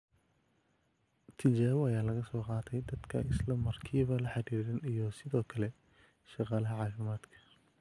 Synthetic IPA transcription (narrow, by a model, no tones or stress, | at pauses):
t̪ʰɪt͡ʃaːβʊɐjaːlɐɣɐsɔːqɑːt̪ʰɛjd̪ɐd̪kʰɐ̰ʔɪslɐmɐrkʰiːβɐlɐħɑdiːðɐnijɔsɪðɔːkʰɐlɛ | ʃɑqɑːlɐɦɐʕɑːfɪmaːd̪kʰɐ̥